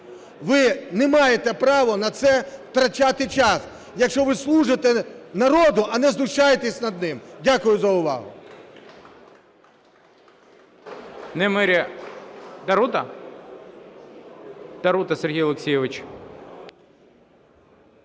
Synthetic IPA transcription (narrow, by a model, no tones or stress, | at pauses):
ʋɪnɛmɑjet̪ɛpɾɑʋɔnɐt̪sɛwt̪ɾɐt͡ʃʲat̪ɪt͡ʃɑs | jɐkʃt͡ʃɔʋɪslˠuʒɪt̪ɛnɐɾɔd̪ʊʔɐnɛzlˠʊʃt͡ʃajet̪esʲnɐd̪̚nɪmdʲakʊjʊzɐʊʋɑ̰ɦʊ̰ | nɛmɪɾʲi | d̪ɐɾut̪ɐ | d̪ɐɾut̪ɐserɦijɔlˠeksʲijɛʋɪt͡ʃ